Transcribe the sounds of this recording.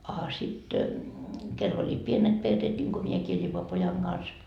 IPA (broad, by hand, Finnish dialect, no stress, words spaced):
ɑ sitkelː olʲi pienet perːeːt nʲiŋko miekiː lʲipo pojɑŋ ɡ̊ɑns